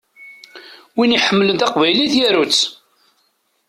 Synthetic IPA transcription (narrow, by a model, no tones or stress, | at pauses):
winiħəmːələnt̪æqvæjliθjæɾut͡sː